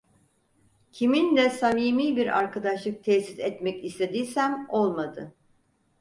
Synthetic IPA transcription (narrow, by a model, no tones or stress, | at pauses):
cʰimind̪ɛsamiːmiːbiɾa̰ɾkʰad̪aʃlˠɯk̚t̪ʰɛsizɛt̪mɛcist̪ʰʲe̞d̪iːsæmo̞lˠmad̪ɯ